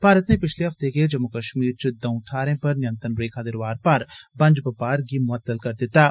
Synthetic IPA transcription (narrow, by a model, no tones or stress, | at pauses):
b̥ʱaːɾət̪nepɪt͡ʃʰleɦɐft̪eked͡ʒɐmːukɐʃmiːɾt͡ʃɪd̪ɐʊ̃t̪ʰaːɾẽpɐɾnɪjə̃nt̪ənɾeːkʰad̪ɪɾʋaːɾpɐɾbɐ̃nd͡ʒpɐpaːɾɡimʊət̪ːəlkɐɾd̪ɪt̪aː